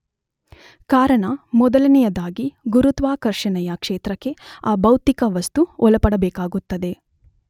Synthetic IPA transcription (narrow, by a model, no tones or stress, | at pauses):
kaːɾɐɳɐmɔd̪ɐlɐnijɐd̪aːɡiɡuɾut̪ʋaːkɐɾʂɐɳɛjɐkʂeːt̪ɾɐkːe̞aːbɐwt̪ikɐʋɐst̪uɔlɐpɐɽɐbɛːkaːɡut̪ːɐd̪e̞